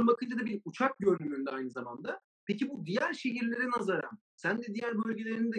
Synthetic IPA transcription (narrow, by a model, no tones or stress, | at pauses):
nbakʰɯnd͡ʒad̪abiɾut͡ʃʰak̚ɟø̞ɾnymynd̪ɛajnɯzama̰nd̪a | pecibud̪ijæɾʃe̞ciɾlʲe̞ɾinazaɾam | sænd̪ɛd̪ijæɾbølʲɟe̞lʲe̞ɾinid̪ɛ